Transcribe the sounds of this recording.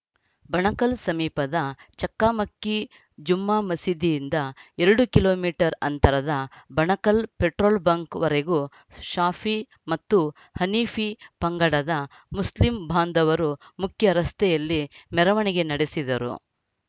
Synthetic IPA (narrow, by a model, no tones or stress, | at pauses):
bɐɳɐkɐlsɐmiːpɐd̪ɐt͡ʃɐkːaːmɐkːi | d͡ʒumːaːmɐsid̪ijːnd̪ɐeɾɐɽukilo̞ːmiːʈɐɾɐnt̪ɐɾɐd̪ɐbɐɳɐkɐlpeʈɾoːlbɐŋkʋɐɾeɡu | ʃaːfʰi | mɐt̪ːu | hɐniːfʰipɐŋɡɐɽɐd̪ɐ | muslimbʱaːnd̪ɐʋɐɾumukʰjɐɾɐst̪ɛjɐlːimɛɾɐʋɐɳiɡe̞nɐɽesid̪ɐɾṵ